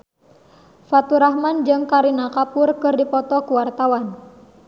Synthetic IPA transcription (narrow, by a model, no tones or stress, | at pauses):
fat̪uɾaɦmand͡ʒɨŋkaɾinakapʊrkɨrdipɔt̪ɔkuwart̪awan